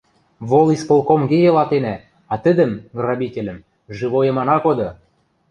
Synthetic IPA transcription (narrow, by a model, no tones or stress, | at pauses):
βolˠispolˠkomɡejelɑt̪enæ | ɑt̪ə̆d̪ə̆mɡrɑbʲitʲelʲə̆m | ʒɘβojɤ̆mɑnɑkod̪ɤ̆